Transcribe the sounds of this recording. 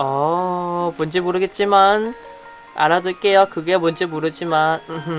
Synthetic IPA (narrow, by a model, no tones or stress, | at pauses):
ʌ | mond͡ʑemoɾɯɡe̞t̚t͡ɕ͈iman | a̰ɾadɯɭk͈e̞jokɯɡemond͡ʑemoɾɯd͡ʑimanɯ